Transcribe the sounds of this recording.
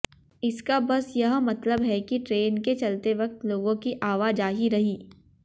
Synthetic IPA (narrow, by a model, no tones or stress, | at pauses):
ɪskabɐsjɐɦmɐt̪ləbɦɛkiʈɾeːnket͡ʃɐlt̪eʋɐk̚t̪loːɡõkiʔaːʋaːd͡ʒaːɦiɾɐɦiː